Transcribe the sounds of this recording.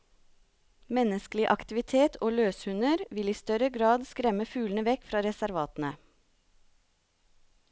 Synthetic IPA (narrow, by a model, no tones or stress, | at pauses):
mɛnəsklɪʔɑkt̪ɪʋɪt̪ʰeːt̪ʰoːløːshʉnəɾʋɪliːst̪œɾəɡɾɑːd̪skɾɛməfʉːln̩əʋɛkfɾɑːɾɛsæɾʋɑːt̪n̩ə